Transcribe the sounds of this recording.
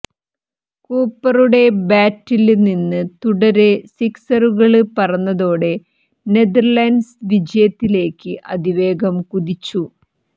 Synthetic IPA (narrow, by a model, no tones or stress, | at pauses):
kuːpːɐruɽe̞baːtːilninːɨt̪uɽɐɾesiksɐruɣɐɭɨpɐrɐnːɐðo̞ːɽe̞ | ne̞d̪ɐrlaːnsʋid͡ʑɐjɐt̪ːile̞ːkːɨʔɐ̰d̪iʋe̞ːɡɐmkuðit͡ɕːu